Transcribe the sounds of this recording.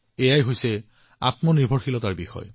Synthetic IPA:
ejajɦojsɛ | a̰tmɔnibʱɔɹxilɔtaɹbixɔ̰j

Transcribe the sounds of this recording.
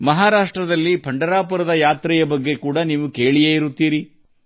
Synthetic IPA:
mɐɦaːɾaːʂʈɾɐd̪ɐlːipʰɐɳɖɐɾaːpɐɾɐd̪ɐjaːt̪ɾɛjɐbɐɡːe̞kuːɽɐniːʋuke̞ːɭijeːiɾut̪ːiːɾi

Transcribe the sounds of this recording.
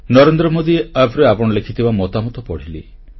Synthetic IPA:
nɔɾend̪ɾɔmod̪ieapɾeapɔɽ̃ɔlekʰit̪ʰibamɔt̪amɔt̪ɔpɔɽ̤ili

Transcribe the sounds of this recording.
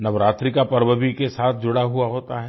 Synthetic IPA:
nɐʋɾaːt̪ɾikapɐɾbəbikesaːt̪ʰd͡ʒʊɽaɦuaɦoːt̪aɦɛ

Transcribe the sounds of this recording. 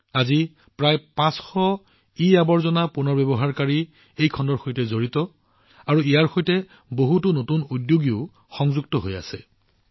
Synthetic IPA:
azi | pɹajpãsxɔ | iabɔɹzɔnapunɔɹbebɔɦaɹkaɹi | ejkʰɔndɔɹxojtɛzoɹitɔ | aɹuijaɹxojtɛ | boɦutʊnotunudjoɡiʊ | xɔŋzuɡtɔɦoja̰sɛ

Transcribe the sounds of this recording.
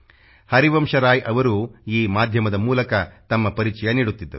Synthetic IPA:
hɐɾiʋɐmʂɐɾaːjʔɐʋɐɾuːiːmaːd̪ʱjɐmɐd̪ɐmuːlɐkɐt̪ɐmːɐpɐɾit͡ʃɐjɐniːɽut̪ːid̪ːɐɾu

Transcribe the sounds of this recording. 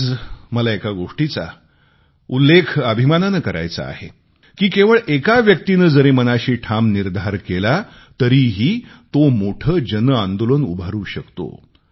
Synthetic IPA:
d͡zməlaekaɡoʂʈit͡sa̰ | ulːekʰəbʱimananəkəɾa̰jt͡sa̰a̰ɦe | kiːkeʋəɭʔekaʋjəkt̪inəːd͡zəɾemənaɕiːʈʰamniɾd̪ʱaɾkela | t̪əɾiɦiːt̪omoʈʰəːd͡ʑənəãnd̪olənubʱaɾuːɕəkt̪o̰

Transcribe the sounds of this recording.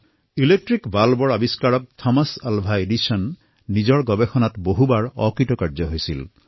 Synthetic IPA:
ilek̚ʈɹikbalbɔɹabiskaɹɔk̚t̪ʰɔmasalbʱajeɖisɔnː | id͡ʒɔɹɡɔbexɔnat̪boɦubaɹɔkɹitɔkaɹd͡ʒɔɦojsil

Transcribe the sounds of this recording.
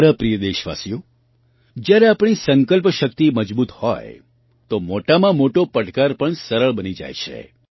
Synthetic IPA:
ɾapɾijəd̪eʃʋa̰sijo | d͡ʒjaɾeapɳ̃isəŋkəlpʃəkt̪iməd͡ʒbut̪ho̰j | t̪omoʈamãmoʈopəʈkaɾpəɳsəɾəɭbənid͡ʒa̰jt͡ʃʰḛ

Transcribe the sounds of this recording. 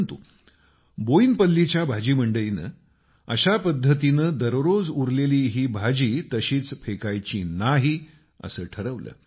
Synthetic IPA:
nt̪u | boinpəlːit͡ɕjabʱad͡ʑiːm̤əɳɖəlinə̰ː | əɕapəd̪ʱːət̪̬inəːd̪əɾɾod͡zuɾleliːɦiːbʱad͡ʑiːt̪əɕiːt͡sfʰekajt͡ɕiːnaɦiː | ə̰səːʈʰəɾəʋlə̰ː

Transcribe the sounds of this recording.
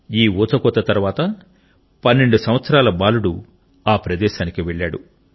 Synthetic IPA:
iːɔːt͡sɐkɔt̪ːɐt̪ɐɾʋaːt̪ɐ | pɐnːeɳɖusɐm̃ʋɐt̪sɐɾaːlɐbaːluɽu | aːpɾɐd̪ɛːʃaːnikiʋeɭːaːɽu

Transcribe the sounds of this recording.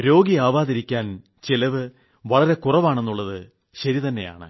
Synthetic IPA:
ɾo̞ːɡiaːʋaːðɐɾikʲːaːn | t͡ɕelɐʋɨ | ʋɐɭɐɾe̞kurɐʋaːɳe̞nːuɭːɐðɨ | ɕɐɾit̪ɐnːe̞̰ja̰ːɳɨ̰

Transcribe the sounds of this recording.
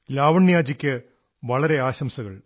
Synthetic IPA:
laːʋɐɳːjaːd͡ʑikʲːɨ | ʋɐɭɐɾe̞aːɕɐmsɐɣɐ̰ɭ

